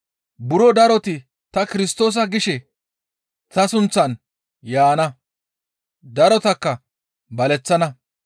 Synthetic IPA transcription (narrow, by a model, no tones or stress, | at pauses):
bʊɾɔd̪ɐɾɔt̪ɪ | t̪ɐkɪɾɪst̪o̞ːs̬ɐɡɪʃɛ | t̪ɐsʊnt͡sːɐn | jaːnɐ | d̪ɐɾɔt̪ɐkːɐ | bɐlɛt͡sːɐnɐ